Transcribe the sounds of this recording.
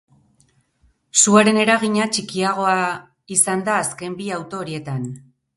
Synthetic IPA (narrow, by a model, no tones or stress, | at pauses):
suaɾe̞ne̞ɾaɣiɲat͡ʃikiaɣ̞o̞a | isand̪aːske̞mbiawt̪o̞ːɾie̞t̪an